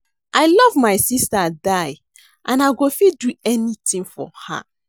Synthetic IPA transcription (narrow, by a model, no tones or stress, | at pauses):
ʔaɪlɔvmaɪsistadaj | ʔãnaɪɡofiduɛnitʰĩŋfɔ̰ha̰